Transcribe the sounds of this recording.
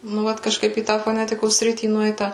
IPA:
nʊ ˈʋɐt kɐʃˈkɐɪp iː ˈtɑː foːˈnʲæːtʲɪkoːs ˈsʲrʲɪtʲiː ˈnʊɛɪtɐ

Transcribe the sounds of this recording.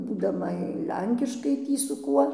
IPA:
buːdɐˈmɐ ˈlʲɛŋʲkʲɪʃkɐɪ ˈtʲiː sʊ ˈkuɔ

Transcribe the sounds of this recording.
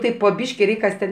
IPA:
ˈtɐɪp poː ˈbʲiːʃʲkʲɪ ˈrʲɛɪkʲ ˈkɐs tʲɛn

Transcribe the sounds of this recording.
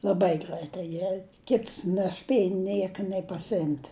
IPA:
lˠɐˈbɐɪ ˈɡrɐɪtɐɪ ˈjiɛ ˈkʲɪts nʲɛˈsʲpʲiɛjɛ ˈnʲiɛkɐ nʲeː pɐsʲɪˈɪmʲtʲ

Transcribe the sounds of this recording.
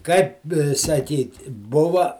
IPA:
kɐɪp sɐˈkʲiːtʲɪ ˈbʊʋɐ

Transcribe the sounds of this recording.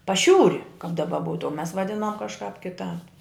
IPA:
pɐˈʃʲuːrʲɪ kɐp dɐˈbɐ ˈbuːtʊ oː mʲɛs ʋɐˈdʲɪnoːm kɐʃˈkɑːp kʲɪˈtɑːp

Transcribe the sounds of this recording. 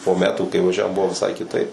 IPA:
poː ˈmʲæːtuː kɐɪ ʋɐˈʒʲæːʋoːm ˈbʊʋoː ʋʲɪˈsɐɪ kʲɪˈtɐɪp

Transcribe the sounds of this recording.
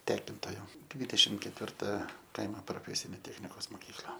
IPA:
ˈtʲæːkʲɪntoːjoː ˈdʲʋʲiːdʲɛʃʲɪm kʲɛtʲʋʲɪrˈtɐ ˈkɐɪmoː proːˈfʲæːsʲɪnʲeː ˈtʲæːxʲnʲɪkoːs moːˈkʲiːklˠɐ

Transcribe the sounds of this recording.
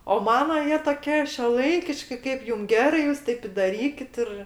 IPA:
oː ˈmɑːnoː ˈjiɛ toːˈkʲiɛ ʃʲuɔˈlˠɐɪkʲɪʃʲkʲɪ ˈkɐɪp ˈjʊm ˈɡʲæːrɐɪ ˈjuːs ˈtɐɪp ɪ dɐˈrʲiːkʲɪt ɪr

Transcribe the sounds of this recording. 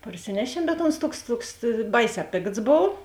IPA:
pɐrʲˈsʲɪnʲɛʃʲiɛm bʲɛt oːns ˈtuɔks ˈtuɔks ˈbɐɪˌsʲɛː ˈpʲeːkts ˈboːw

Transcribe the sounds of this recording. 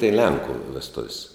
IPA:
tɐɪ ˈlʲɛŋkʊ ʋʲɛsˈtʊwsʲ

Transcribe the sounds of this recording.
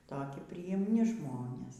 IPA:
ˈtoːkʲɪ pʲrʲɪjɪmʲˈnʲɪ ˈʒmoːnʲeːs

